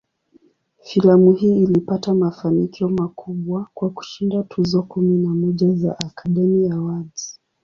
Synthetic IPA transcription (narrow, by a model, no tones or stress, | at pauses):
filamuhiːilipatamafanikiɔmakʰuɓwakwaku̥ʃindatʰuzɔkuminamɔʄaza̰ʔakʰaɗɛmijawazi̥